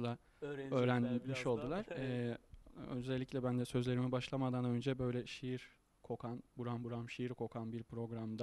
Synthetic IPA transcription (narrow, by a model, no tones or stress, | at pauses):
lˠa | ø̞ːɾænmiʃo̞lˠd̪ulˠaɾ̥ɛ | øzɛlʲːiclʲɛbænd̪ɛsø̞zlʲe̞ɾimibaʃlˠamad̪anø̞nd͡ʒɛbø̞jlʲɛʃijiɾ | kʰo̞kʰanbuɾanbuɾamʃijiɾkʰo̞kʰanbiɾpɾo̞ɡɾamd̪a